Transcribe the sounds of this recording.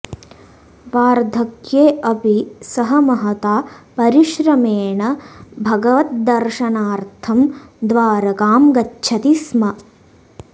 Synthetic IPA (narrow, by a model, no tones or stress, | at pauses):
ʋaːɾd̪ʱɐkjeːʔɐpisɐɦɐmɐɦɐt̪aːpɐɾiʃɾɐmeːɳɐbʱɐɡɐʋɐt̪̚d̪ɐɾʃɐnaːɾt̪ʰɐmd̪ʋaːɾɐkaːmɡɐtːʃʰɐt̪ismɐ